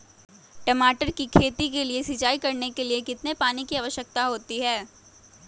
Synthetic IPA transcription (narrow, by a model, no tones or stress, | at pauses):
ʈɐmaːʈəɾkikʰeːt̪ikeliesɪd͡ʒaːikɐɾnekeliekɪt̪nepaːnikiaːʋəʃjək̚t̪aɦoːt̪iɦɛː